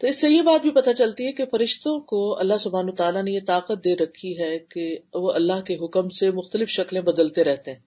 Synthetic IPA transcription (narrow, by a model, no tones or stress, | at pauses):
t̪oɪsːejebaːt̪̚bʱipɐt̪at͡ʃɐlt̪iɦɛkefɐɾɪʃt̪õkoɐ̰lːaɦsʊbʱaːnːt̪aːlanejet̪aːqət̪̚d̪eːɾɐkʰːiɦɛkeʋoʔɐlːaɦkeɦʊkəmsemʊxt̪əlɪfʃɐklẽbɐd̪əlt̪eɾɛɦt̪eɦɛ̃ː